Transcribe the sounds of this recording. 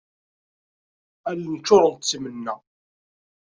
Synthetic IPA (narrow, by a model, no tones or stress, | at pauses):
ælnt͡ʃːʊɾˤənt̪t͡sːmənːæ